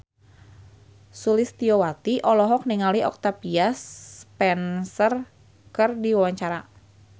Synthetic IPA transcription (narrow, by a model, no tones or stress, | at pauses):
sulɪst̪iowat̪iʔɔlɔɦɔk̚niŋaliɔ̰k̚t̪apiaspɛnsər | kɨrdiwawaɲt͡ʃaɾa